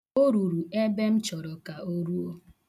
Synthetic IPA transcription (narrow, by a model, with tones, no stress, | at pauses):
o˦ɾu˨ɾu˨e˦be˦m̩˦t͡ʃɔ˨ɾɔ˨ka˨o˦ɾu˦o˦